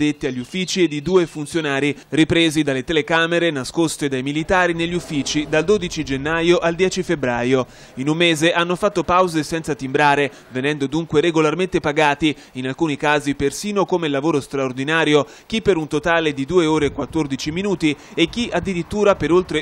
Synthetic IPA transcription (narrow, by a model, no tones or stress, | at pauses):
et̪ːiaʎːufːiːt͡ʃid̪id̪uːefunt̪sjonaːɾiripɾeːzid̪alːet̪elekaːmeɾenaskost̪ed̪ajmilit̪aːɾineʎːufːiːt͡ʃid̪ald̪oːd̪it͡ʃid͡ʒenːajoʔald̪jɛːt͡ʃifebɾaːjo | inumːeːzeʔanːofat̪ːopawzesɛnt̪sat̪imbɾaːɾe | venɛnd̪od̪uŋkweɾeɡolarment̪epaɡaːt̪i | inalkuːnikaːzipersiːnokomelavoːɾost̪ɾaord̪inaːɾjo | kipːeɾunt̪ot̪aːled̪id̪uːeoːɾekwat̪ːord̪it͡ʃiminuːt̪iek̟ːiʔad̪ːiɾit̪ːuːɾapeɾolt̪ɾe